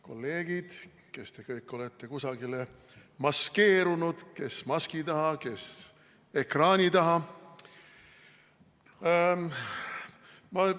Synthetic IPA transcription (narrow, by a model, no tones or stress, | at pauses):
ko̞̰lːe̞ːɡ̥id̪̥ | ke̞st̪e̞kɤjkːˑo̞let̪ˑːe̞kusɑɡile̞ | mɑske̞ːɾunud̪̥ke̞smɑskit̪ɑɦɑke̞s | e̞krɑːnʲit̪ɑɦɑ | mɑ